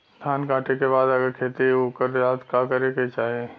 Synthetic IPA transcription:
st̪ʰaːnkaːʈekebaːd̪ɐɡəɾkʰeːt̪iokəɾjaːd̪kaːkɐɾeket͡ʃaːɦe

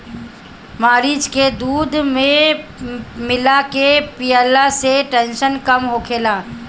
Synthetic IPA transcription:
maːɾiːd͡ʒked̪uːd̪mẽ | mɪlakepiːəːlaseʈɛ̃ːnʃənkəmɦokʰeːlaː

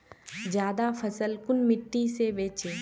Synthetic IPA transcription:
d͡ʒjaːd̪apʰɐsəlkʊnmɪʈːisebeːt͡ʃeː

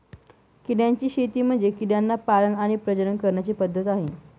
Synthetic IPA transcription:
kiɽjaɲt͡ɕiːɕet̪iːm̤əɳd͡zekiɽjanːapalənaɽ̃ipɾəd͡ʑəɾəɳkəɾɳjat͡ɕiːpəd̪ʱːət̪aɦe

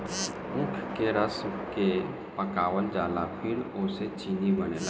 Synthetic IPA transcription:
ũkʰkeɾəske | pəkaːʋəld͡ʒaːlapʰɪɾoset͡ʃinibənela

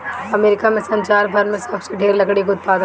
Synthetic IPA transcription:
ɐmeːɾɪkamẽsɐ̃ɲt͡ʃaːɾbʱɐɾmẽsɐbseɖʱeːɾlɐkɽikoʊt̪̚paːd̪

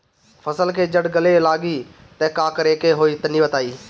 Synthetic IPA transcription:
fʰəsəlkeːd͡ʒəɽɡəlelaːɡiː | t̪ɛːkaːkəɾeːkeɦoːiːt̪əniʋət̪aːiː

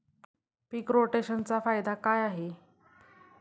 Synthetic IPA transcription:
piːkɾoʈeɕənt͡safajd̪ʱakajaɦe

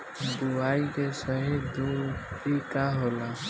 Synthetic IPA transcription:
d̪uaːikesəɦid̪ut̪ikaɦola

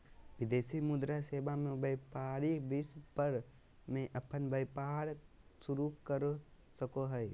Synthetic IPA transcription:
ʋɪd̪eːsimʊd̪ɾaseːbamẽbəpaːɾibɪspəɾ | mẽʔɐpənbəjpaːɾ | sʊɾukəɾ | səkoɦɛj

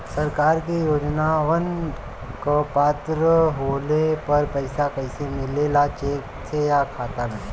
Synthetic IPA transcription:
sɐɾkaːɾkijoːd͡ʒnaʋɐn | kopaːt̪ɾəɦoːlepɐɾpɐɪsakɛɪsemɪleːlat͡ʃeːk̚t̪ʰejakʰaːt̪ame

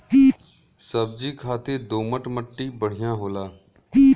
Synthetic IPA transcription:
səb̚d͡ʒiːkʰaːt̪eːd̪oːməʈməʈːiːbəɽ̤ɪjãːɦoːlaː

